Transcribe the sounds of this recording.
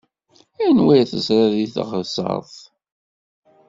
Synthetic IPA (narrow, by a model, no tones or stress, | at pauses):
ænwæjθəsɾaðiθʁəðsɑ̰ðˤ